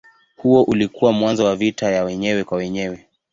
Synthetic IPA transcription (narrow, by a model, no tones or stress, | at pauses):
huɔʔulikuwamwanzɔwavitajawɛɲɛwɛkwawɛɲɛwɛ